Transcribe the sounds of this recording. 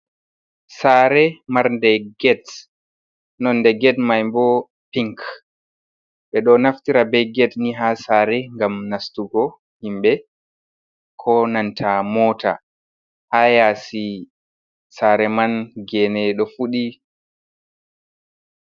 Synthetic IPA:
saːɾɛmaɾndɛɡɛt | nɔndɛɡɛtmajmbɔ | piŋk | ɓɛɗɔnaftiɾabɛjɡɛtniɦasaːɾɛŋɡamnastuɡɔ | himbɛ | kʰɔnantʰamɔːta̰ | haːjasi | saɾɛmanɡɛnɛɗɔfuɗi

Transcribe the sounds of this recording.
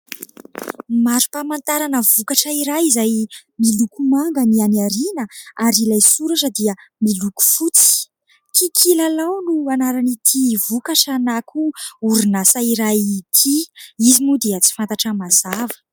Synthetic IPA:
maɾu̥pamant̪aɾanəvukaʈ͡ʂəiɾajizajmilukumaŋɡənianiaɾinəaɾilajsuɾaʈ͡ʂəd̪iəmiluku̥fut͡si̥ | kikʰilalawnuanaɾanit̪ʰivukaʈ͡ʂanakʰuuɾunasaiɾajit̪ʰiizimud̪eət͡si̥fant̪aʈ͡ʂəmazavə̥

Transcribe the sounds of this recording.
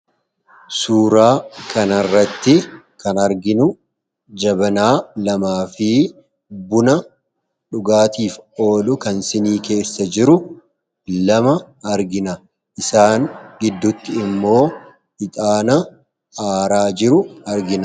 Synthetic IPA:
suːɾaːkʰɐnɐrːɐt̪ːɪ | kɐnɐɾɡɪnʊ | d͡ʒɐbɐnaːlɐmaːfɪ | bʊnɐ | ᶑʊɡaːt̪iːfo̞ːlʊkɐnsɪniːke̞ːsːɐd͡ʒɪɾʊ | lɐmɐ | ɐɾɡɪnɐ | ʔɪsaːŋɡɪd̪ːʊt̪ːɪɪmːo̞ː | ɪt̪ʼaːnɐ | aːɾaːd͡ʒɪɾʊɐɾɡɪnɐ

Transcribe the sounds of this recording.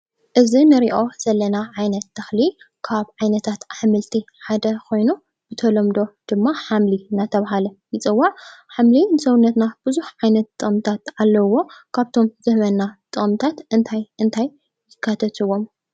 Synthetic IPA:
ʔɨzinɨɾiʔo̞z̥ɐlɐnaʕajnɐt̪̚ːɐxli | kʰaβʕajnɐt̪ʰat̪ʔaħmɨlt̪ʰi | ħad̪ɐkʰo̞jnu | b̥ɨt̪ʰɐlɐmd̪o̞d̪̥ɨmːaħamlinat̪ʰɐβaɦalɐjɪt͡sʼɨwːaʕħamlinɨsɐwʊnːɐt̪nab̥ɨzuħʕajnɐt̪t̪ʼːɨχʼmt̪ʰat̪alːɐwo̞kʰaβt̪ʰo̞mzɨhmɐnːat̪ʼɨχʼmt̪ʰat̪ʔɨnt̪ʰajʔɨnt̪ʰajː | ɪkʰːat̪ʰɐt̪ʰɨwom

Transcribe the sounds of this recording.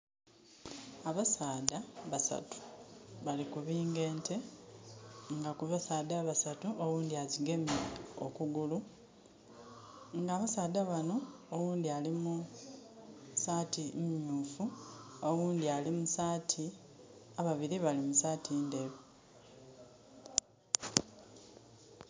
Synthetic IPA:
aβasaːdaβasa̰tu̥βalikuβiːŋɡe̞ːntʰe̞ | ŋɡakuβasaːdaβasatuʔowuːnd̪iaziɡe̞meo̞̰kuɡulu | ŋɡaːβasaːdaβano̞ | owuːnd̪ialimu | satʰimɲuːfuowuːnd̪ialimusaːtʰi | aβaβiɾiβalimusaːtʰindeβi

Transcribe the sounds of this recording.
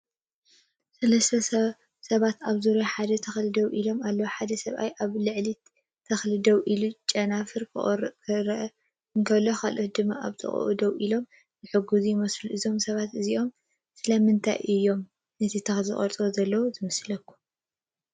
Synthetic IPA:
sɐlɐst̪ʰɐ | sɐβat̪aβzuɾoħad̪ɐt̪ʰɐxlɨd̪ɐwʔilo̞malːɐwuħad̪ɐsɐβʔa̰jʔaβlɨʕli | t̪ʰːɐxlɨd̪ɐwʔilut͡ʃʼːɐnafɨɾkkʰɨɾʔ | ɨŋkʰɐβlːoxalʔot̪̚d̪ɨmːaʔa̰βt̪ʰɨ̰χʼʔṵd̪ɐwʔilo̞m | zɨħɨɡuzujɪmɐsluʔɨzo̞msɐβat̪ɨziʔo̞m | sɨlɐmɨnt̪ʰa̰jʔɨjːo̞m | nɐt̪ʰit̪ʰɐxzɨχʼɐ̰ɾt͡s̪ʼɾozɐlːɐwuzɨmɐslɐkːu̥

